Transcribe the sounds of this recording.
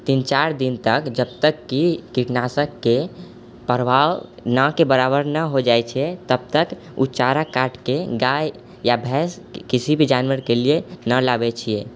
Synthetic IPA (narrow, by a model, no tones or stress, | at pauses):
t̪int͡ʃaɾd̪int̪əkd͡ʒəb̚t̪əkːikiʈnasəkːe | pəɾbʱawnãkebəɾabəɾnəɦod͡ʒajt͡ʃʰɛt̪əb̚t̪ək | ṵt͡ʃaɾakaʈkeɡaj | jabʱɛs | kisibʱid͡ʒanʋəɾkelienəlabɛt͡ʃʰije